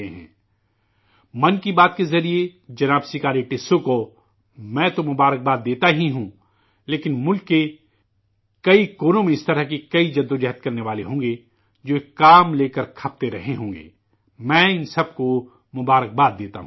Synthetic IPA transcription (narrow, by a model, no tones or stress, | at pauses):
eɦɛ̰̃ː | mɐnkibaːt̪̚kezɐɾied͡ʒɐnaːbsɪkaːɾiʈeːsõko | mɛ̃ːt̪omʊbaːɾək̚baːd̪̚ːeːt̪aɦiɦũː | leːkɪnmʊlkːe | kɐikoːnõmẽɪst̪ɐɾəɦkekɐid͡ʒɐd̪ːõd͡ʒɛɦət̪̚kɐɾneʋaːleɦõːɡe | d͡ʒoːekːaːmleːkəɾkʰɐp̚t̪eɾɐɦeɦõːŋɡḛː | mɛ̃ːɪnsɐb̚ko | mʊbaːɾək̚baːd̪̚ːeːt̪a̰ɦũː